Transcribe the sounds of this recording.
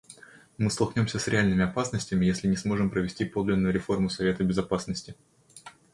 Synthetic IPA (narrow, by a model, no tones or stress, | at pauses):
mɨst̪ɐlˠknʲo̞msʲəsɾʲɪalʲnɨmʲɪɐpasnəsʲtʲɪmʲɪjesʲlʲɪnʲɪsmo̞ʐɨmpɾəvʲɪsʲtʲipo̞d̪lʲɪnːʊjʊɾʲɪfo̞rmʊsɐvʲe̞t̪əbʲɪzɐpasnəsʲtʲɪ